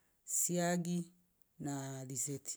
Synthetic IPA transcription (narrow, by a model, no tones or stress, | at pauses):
sjaɡi | naɾiseti̥